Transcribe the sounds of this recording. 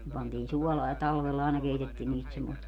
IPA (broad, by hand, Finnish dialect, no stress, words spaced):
ne pɑntiːn suɔlɑː jɑ tɑlʋelːɑ ɑˑenɑ keitetːiːn niːst semːost